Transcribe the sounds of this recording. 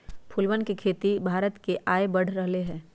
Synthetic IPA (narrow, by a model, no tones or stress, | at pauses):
pʰʊlʋənkekʰeːt̪ibʱaːɾət̪keʔaːebɐɽ̤ɾɐɦleɦɛ̃ː